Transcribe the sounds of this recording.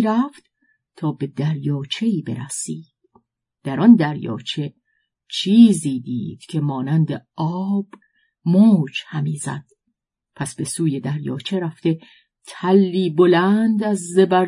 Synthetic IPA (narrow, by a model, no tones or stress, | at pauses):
ɾæft̪ | t̪ʰɒːbe̞d̪æɾjɒːt͡ʃʰe̞iːbe̞̰ɾæ̰siːd̥ | d̪̥æɾɒnd̪æɾjɒ̰ːt͡ʃʰe̞ | t͡ʃʰiːziːd̪ḭːd̪̥cʲʰe̞mɒːnænd̪eɒːb̥ | moːd͡ʒhæmiːzæ̰d̪̥ | pʰæsbe̞suːje̞d̪æɾjɒ̰ːt͡ʃʰeɾæft̪e̞ | t̪ʰælːiːbolænd̪æzːebæɾ